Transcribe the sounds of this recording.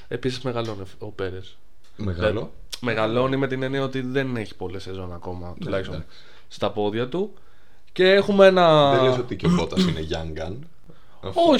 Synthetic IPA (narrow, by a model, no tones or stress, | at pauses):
e̞pisizme̞ɣɐlo̞niope̞ɾes | mɣl | meɣɐlo̞nime̞t̪ine̞niɐo̞t̪iðe̞ne̞çi̥po̞lisezo̞nɐko̞mɐt̪ulɐçist̪om | st̪ɐpo̞ðʝɐt̪u | ce̞exumee̞nɐeles̬ot̪icopot̪ɐsineʝɐŋɡɐn | o